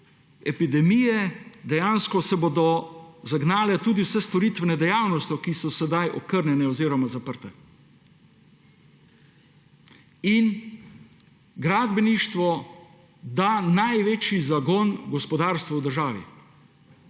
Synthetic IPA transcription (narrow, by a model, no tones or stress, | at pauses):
ɛpid̪ɛmijɛd̪ɛjaːnskɔsɛboːd̪ɔzaɡnaːlɛt̪uːd̪iwsɛst̪ɔɾiːt̪ʋɛnɛd̪ɛjaːwnɔst̪jɔkisɔsɛd̪ajʔɔkəɾnjɛnɛɔziːɾɔmazapəɾt̪ɛ | in | ɡɾaːd̪bɛniʃt̪ʋɔ | d̪aːnajʋeːt͡ʃizaɡɔnɡɔspɔd̪aɾst̪ʋawd̪əɾʒaːʋḭ